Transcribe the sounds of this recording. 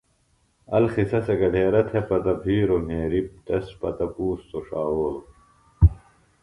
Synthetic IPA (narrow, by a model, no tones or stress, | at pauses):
ɐlxisɐseɡɐɖʱeːɾɐt̪ʰepɐt̪ɐbʱiːɾomeːɾip̚t̪ɐspɐ̰t̪ɐpuːst̪oʂaːoːlo